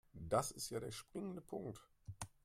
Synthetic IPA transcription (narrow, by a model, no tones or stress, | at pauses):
d̥asɪstjaːɾeːɐʃpʁ̥ɪŋəndəpʰʊŋkt